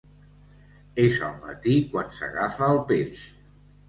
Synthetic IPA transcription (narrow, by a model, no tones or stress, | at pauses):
ezə̰lˠmə̰t̪ikwansə̰ɣafəːlˠpes